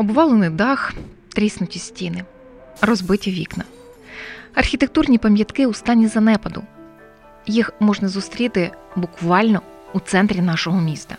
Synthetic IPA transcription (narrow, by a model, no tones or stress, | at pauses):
ɔbʋɑlˠenɪjd̪ɑx | t̪ɾʲisnʊtʲisʲtʲinɪ | rɔzbɪtʲɐʋʲḭknɐ | ɐrxʲit̪ek̚t̪urnʲipɐmʲjɐt̪kɪust̪ɑnʲːizɐnɛpɐd̪ʊ | jixmɔʒnɐzʊst̪ɾʲit̪ɪbʊkʋɑlʲnɔut̪sɛnt̪ɾʲinɑʃɔɦɔmʲist̪ɐ